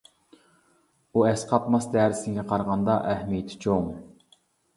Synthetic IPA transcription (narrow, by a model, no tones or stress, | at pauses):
uɛsqʰɑpmɑsd̪æːɾɪsɪŋɡʲɛqʰɑɾʁɑnd̪ɑʔæhmijt̪ʰɪ̥t͡ʃʰoŋ